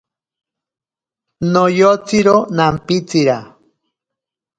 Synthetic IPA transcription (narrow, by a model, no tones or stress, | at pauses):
nojot͡siɾonampit͡siɾa